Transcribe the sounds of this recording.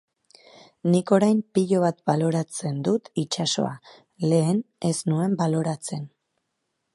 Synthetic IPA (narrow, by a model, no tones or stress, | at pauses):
niko̞ɾajmpiʎo̞βat̪balo̞ɾat͡se̞nd̪ut̪it͡ʃaso̞̰a | le̞ːne̞snue̞mbalo̞ɾat͡se̞n